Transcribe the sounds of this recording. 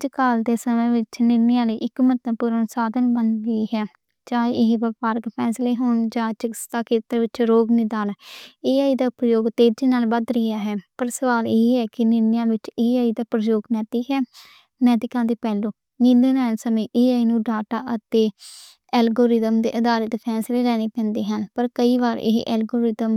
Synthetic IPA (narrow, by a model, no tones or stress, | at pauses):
d͡ʒkaːld̪eːsəmẽːʋɪt͡ʃnɪɾnjãːliːʔɪkmət̪ãːpuːɾənsaːd̪ənbənɡəiːɦɛː | t͡ʃaːiʔɪʋəpaːɾɡpʰɛːsleːɦoːnd͡ʒãːt͡ʃəkɪst̪aːkʰeːt̪əɾʋɪt͡ʃɾoːɡnɪd̪aːnːeːaːiːd̪aːpɾəjoːɡt̪eːd͡ʒiːnaːlʋəd̪ɾɪjaːɦɛːpəɾsəʋaːleːɦɛːkɪnɪnɪjãːʋɪt͡ʃeːaːiːd̪aːpɾəjoːɡnɛːt̪iːɦɛː | nɛːt̪ɪkãːd̪eːpɛːlõː | nɪlenɛːnsəmẽːʔeːaːiːnũːɖaːʈaːʔət̪eː | ɛːlɡoːɾɪd̪əmd̪ḛːʔəd̪aːlət̪pʰɛːsleːlɛːneːpɛ̃ːnd̪eːɦənpəɾkəiːʋaːɾɪ̰ɦʔɛːlɡoːɾɪd̪əm